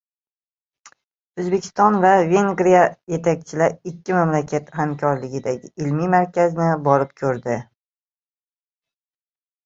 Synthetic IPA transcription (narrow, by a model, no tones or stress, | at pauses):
ɵzbe̞kʰʲɪ̥st̪ɒnvave̞ŋɡɾijaje̞t̪ʰak̚ʲt͡ʃʰɪlaɾɪkʲːɪmamlakʰʲat̪hamkʲʰɒɾlɪɡʲɪd̪aɡʲɪɪlmimaɾkʲʰaznɪbɒɾɪp̚kʲʰɵɾd̪ɪ